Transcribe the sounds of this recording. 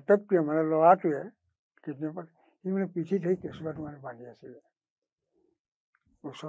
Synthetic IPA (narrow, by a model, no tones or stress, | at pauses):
t̪ək̚tujɛmanɛlɔwatuɛ | ketnipa | himanɛpiʈʰitʰəikesubatumanɛbaniasilɛ | usɔ